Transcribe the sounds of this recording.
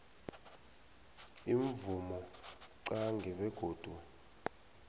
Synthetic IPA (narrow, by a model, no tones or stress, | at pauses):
iɱvumɔǀaŋɡɛɓɛɡ̥ʱoːd̥ʱu